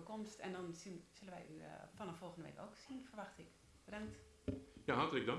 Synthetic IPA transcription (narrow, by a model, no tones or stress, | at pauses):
komstɛ̰ndɔnsinsølənʋɛ̰jʔy̰fɔnɔfolˠxəndəʋḛko̰ksinfərʋaxtɪk | b̥ədaŋkt | jaɦɑrtələɡ̚da